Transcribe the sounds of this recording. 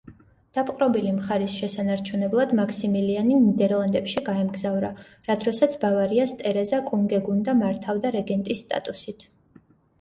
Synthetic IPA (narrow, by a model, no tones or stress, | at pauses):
d̪̥apʼqʼɾɔbilimχaɾisʃɛsanaɾt͡ʃʰunɛblˠad̪makʰsimilianinid̪ɛɾlˠand̪ɛpʃiɡaɛmɡzavɾa | ɾat̪ʰɾɔsat̪sʰbavaɾiast̪ʼɛɾɛzakʼuŋɡɛɡund̪amaɾt̪ʰavd̪aɾɛɡɛnt̪ʼisːt̪ʼa̰t̪ʼusit̪ʰ